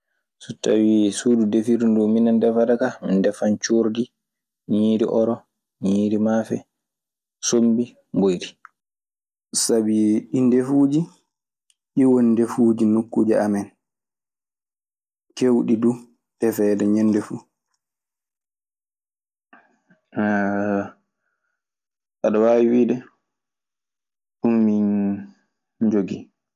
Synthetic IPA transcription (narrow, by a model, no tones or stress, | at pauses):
sutːa̰wiːsududefidundɔminandɛfadakamindɛfant͡ʃoɾdi | ɲiːɾḭʔɔɾɔ | ɲiːɾimafɛ̰ | sombi | mbojdi | sabiɗindefuːd͡ʒi | ʔiwondefuːd͡ʒinukːuːd͡ʒiamɛn | kewɗidu | ɗɛfɛːdɛɲɛnːdɛfu | ʔaɗɔwawiwiːdɛ | ɗumːin | d͡ʒoɡi